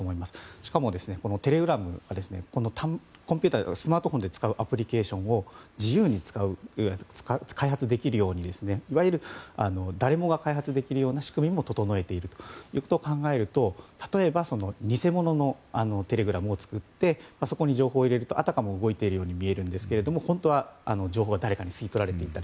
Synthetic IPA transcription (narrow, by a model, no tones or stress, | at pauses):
omoimasɨ̥ɕi̥kamo̞d̪e̞sɨne̞ko̞no̞t̪e̞ɾe̞ɡɯ̟ɾamɯ̟̰ad̪e̞sɨne̞̰ko̞no̞t̪ʰako̞mpʲɨt̪asɨmaːt̪o̞ɦõ̞nd̪e̞t͡sɨ̥kaɯ̟ʔapɯ̟ɾʲike̞ːɕõ̞ɰ̃o̞d͡ʑijɯːɲ̟it͡sɨ̥kaɯ̟t͡skakʰaiɦat͡sɨd̪e̞kʲiɾɯ̟jo̞ːɲ̟id̪e̞sɨne̞iβaiɾɯ̟ano̞d̪aɾe̞mo̞ɡakaiɦat͡sɨd̪e̞kʲiɾɯ̟jo̞ːnaɕi̥kɯ̟mʲimːo̞t̪o̞t̪o̞no̞e̞t̪e̞iɾɯ̟t̪o̥jɯ̟ːko̞t̪oːkãŋɡae̞ɾɯ̟t̪o̞t̪ḁt̪o̞e̞baso̞no̞ɲ̟ise̞mo̞no̞no̞ano̞t̪e̞ɾe̞ɡɯ̟ɾamɯːt͡sɨ̥kɯ̟t̪ːe̞maso̞ko̞ɲ̟iʑo̞ːɦo̞ːiɾe̞ɾɯ̟t̪o̞ʔa̰t̪akamo̞ɯ̟ɡo̞it̪eiɾɯ̟jo̞ːɲ̟imʲie̞ɾɯ̟̃nd̪e̞sɨ̥ke̞ɾe̞d̪o̞mo̞hõ̞nt̪o̞β̞aano̞d͡ʑo̞ːɦo̞ːɡad̪aɾe̞kaɲ̟isɨit̪o̞ɾaɾe̞t̪e̞it̪ːaɾ